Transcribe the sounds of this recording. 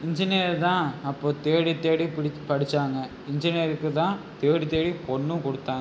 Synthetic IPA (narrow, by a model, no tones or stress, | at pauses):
ɪɲd͡ʒɪneːɾt̪ãːɐpːoːt̪eːɽit̪ːeːɽipɪpɐɽɪt͡ʃːaːŋɡɐ | ɪɲd͡ʒɪneɾɯkːɯt̪ãːt̪eːɽit̪ːeːɽipɔɳːɯ̃kɔɽɯt̪ːaːŋɡ